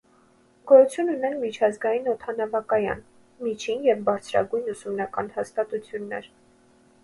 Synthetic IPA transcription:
ɡ̥ɔjut͡sʰjununɛnmit͡ʃʰɑzɡɑjinɔt̪ʰɑnɑvɑkɑjɑ̰n | mit͡ʃʰinjɛvbɑɾt͡sʰɾɑ̰ɡujnusumnɑkɑ̰nhɑst̪ɑt̪ut͡sʰjunːɛ̰ɾ

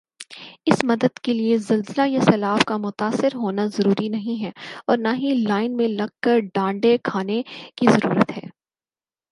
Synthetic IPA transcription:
ɪsmɐd̪əd̪keliezɐlzɪlajasɐlaːfkamʊt̪aːsːɪɾɦoːnazɐɾuːɾinɐɦĩɦɛɔːɾnaɦĩlaːɪnmẽlɐɡ̚kɐɾɖãːɳɖekʰaːnekizɐɾṵːɾət̪ɦɛː

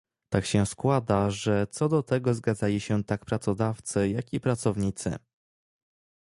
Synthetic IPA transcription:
t̪akɕɛskwad̪aʐɛt̪sɔd̪ɔt̪ɛɡɔzɡad̪zalʲiɕɛt̪akpɾat̪sɔd̪aft̪sɘjakʲipɾat̪sɔvɲit̪sɘ̰

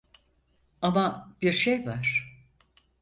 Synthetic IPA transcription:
amab̥iɾʃejvaɾ̥

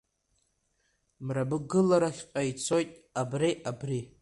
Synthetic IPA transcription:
mrabɨɡɨlaɾaχʲqʼait͡sʰo̞jtʼabriʔabri

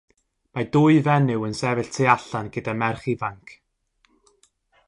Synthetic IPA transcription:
madʊɨvɛnɪwənsɛvɪɬtʰeaɬanɡ̥ədamɛrχivaŋkʰ

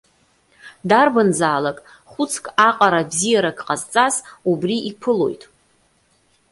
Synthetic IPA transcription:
darbɨnzaːlakʼ | χʷʊt͡sʰkʼaqʼaɾabzijaɾaɡʰʼqʼazt͡sʼazubriʔipʰɨlo̞̰jtʼ

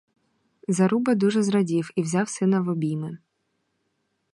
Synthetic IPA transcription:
zɐɾubɐd̪uʐɛzɾɐdʲiwiwzʲɑwsɪnɐvɔbʲijmɪ

